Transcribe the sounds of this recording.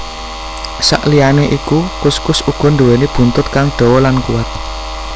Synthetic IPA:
sa̰ʔlijaneʔikukʊskʊsuɡ̥ɔ̤nd̪uwenib̥ṳnt̪ʊt̪̚kaŋɖ̪̥ɔ̤wɔlankuwat̪̚

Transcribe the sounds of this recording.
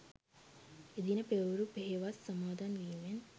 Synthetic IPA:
ed̪inəpeʋɾupeɦeʋasːəmaːd̪anɡiːʋen

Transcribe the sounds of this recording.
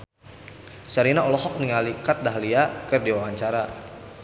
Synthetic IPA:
saɾinaɔlɔɦɔk̚niŋalikat̪̚daɦliakərdiwawaɲt͡ʃaɾa

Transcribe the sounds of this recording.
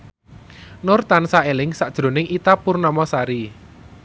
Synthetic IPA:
nʊrt̪ansaelɪŋsaʔd̥ʒ̥ɾo̤nɪŋit̪apʊrnɔmɔsaɾi

